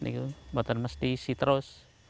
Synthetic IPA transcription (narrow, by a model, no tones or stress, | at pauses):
nḭkubat̪ənməst̪isit̪əɾʊs